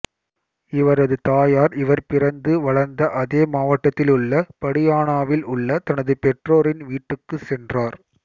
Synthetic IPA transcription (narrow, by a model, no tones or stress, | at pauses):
ɪʋɐɾɐðɯt̪aːjaːɾɪʋɐɾpɪrɐnd̪ɯʋɐɭɐɾnd̪ɐʔɐðeːmaːʋɐʈːɐt̪ːɪlʊɭːɐpɐɽɪjaːnaːʋɪlʊɭːɐt̪ɐnɐðɯpɛʈroːɾɪnʋiːʈːɯkːɯsɛndraːɾ